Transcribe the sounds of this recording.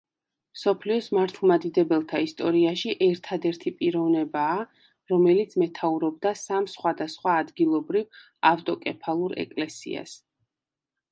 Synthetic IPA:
msɔpʰliɔsmaɾt̪ʰlˠmad̪id̪ɛbɛlˠt̪ʰaist̪ʼɔɾiaʃiʔɛɾt̪ʰad̪ɛɾt̪ʰipʼiɾɔvnɛbaː | ɾɔmɛlit̪sʰmɛt̪ʰauɾɔb̚d̪asamsχwad̪asχwaːd̪ɡilˠɔbɾiv | aft̪ʼɔkʼɛpʰalˠuɾɛ̰kʼlɛsḭa̰s

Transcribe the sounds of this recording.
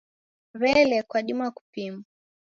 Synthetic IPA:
ɾɛlɛkwaɗimaku̥pimu

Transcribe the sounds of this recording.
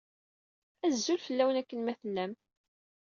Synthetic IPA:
æzːulfəlːæwənækːənmæθəlːæm

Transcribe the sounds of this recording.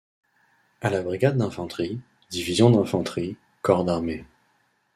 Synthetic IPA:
alabʁiɡʲad̪ːɛ̃fɑ̃t̪χi | d̪ivizjɔ̃d̪ɛ̃fɑ̃t̪χi | kɔʁd̪aʁme

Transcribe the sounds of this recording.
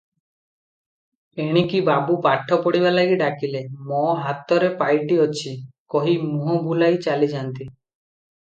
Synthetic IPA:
eɽ̃ikibabupaʈʰːɔpɔɽiβalaɡiɖakilemɔɦat̪ɔɾepajʈiɔt͡ʃʰikɔɦimuɦɔbulajt͡ʃalid͡ʒant̪i

